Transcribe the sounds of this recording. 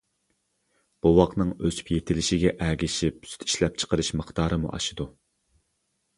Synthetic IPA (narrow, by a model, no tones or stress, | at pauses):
b̥uwɑqnɨŋøzy̥pjet̪ʰɪlɪʃɪɡʲɛʔæɡʲɪʃip̚sy̥t̪ʰi̥ʃlɛp̚t͡ʃʰə̥qəɾɨʃməχt̪ɑːɾɨmṵʔɑ̰ʃɨd̪u